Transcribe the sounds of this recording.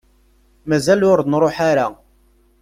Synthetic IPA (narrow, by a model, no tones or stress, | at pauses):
mæzælʊɾðnɾˤoħaɾa